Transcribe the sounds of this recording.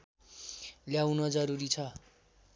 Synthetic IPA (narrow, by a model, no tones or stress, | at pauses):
ljawnʌd͡zʌɾuɾit͡sʰʌ